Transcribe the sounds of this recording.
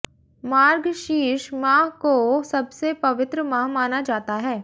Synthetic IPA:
maːɾɡʃiːʃmaːɦkosɐbsepɐʋɪt̪ɾəmãːɦmaːnad͡ʒaːt̪aɦɛː

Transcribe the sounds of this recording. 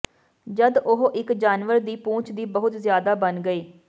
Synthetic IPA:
d͡ʒəd̪ʊɦʔɪkd͡ʒaːnʋəɾd̪iːpũːt͡ʃd̪iːbəɦʊt̪zjaːd̪aːbənɡəeː

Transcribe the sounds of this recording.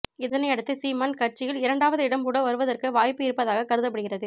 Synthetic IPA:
ɪðɐnɐɪɐɽɯt̪ːɯsiːmɐnkɐʈt͡ʃɪjɪlɪɾɐɳɖaːʋɐðɯɪɽɐmkuːɽɐʋɐɾɯʋɐðɐrkɯʋaːjpːɯɪɾɯpːɐðaːɣɐkɐɾɯðɐp̬ːɐɽɯɣɪrɐðɯ

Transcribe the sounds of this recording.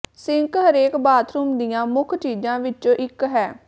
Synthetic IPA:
sɪ̃ŋkɦəɾeːkbaːt̪ʰɾuːmd̪ijãːmʊkʰt͡ʃiːd͡ʒãːʋɪt͡ʃoːʔɪkɦɛː

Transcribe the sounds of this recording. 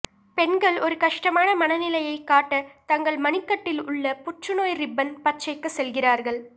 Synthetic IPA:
pɛnɡɐɭɔɾɯkɐʂʈɐmaːnɐmɐnɐnɪlɐjɐɪkːaːʈːɐt̪ɐŋɡɐɭmɐnɪkːɐʈːɪlʊɭːɐpʊt͡ʃːɯnoːjɾɪbːɐnpɐt͡ʃːɐɪkːɯsɛlɣɪraːɾɣɐɭ

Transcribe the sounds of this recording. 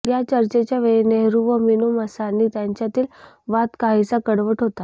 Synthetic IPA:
jat͡ɕəɾt͡ɕet͡ɕjaʋeɭeneɦɾuʋəminuməsanːiːt̪jaɲt͡ɕjat̪iːl | ʋat̪kaɦisakəɽʋəʈɦot̪a

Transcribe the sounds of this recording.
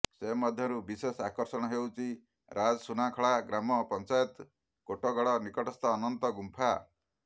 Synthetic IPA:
semɔd̪ʱjɔɾubisesakɔɾsɔɽ̃ɔɦewt͡ʃʰi | ɾʔad͡ʒɔsunakʰɔɭaɡɾamɔpɔnt͡ʃajɔt̪ | koʈɔɡɔɭɔnikɔʈɔst̪ɔːnɔnt̪ɔɡumpʰa

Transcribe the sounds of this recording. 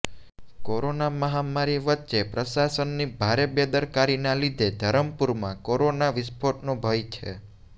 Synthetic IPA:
koɾonaməɦamaɾiʋətːʃepɾəʃasənːibʱaɾebed̪əɾkaɾinalid̪ʱed̪ʱəɾəmpuɾmãkoɾonaʋɪspʰoʈnõbʱəjt͡ʃʰḛ

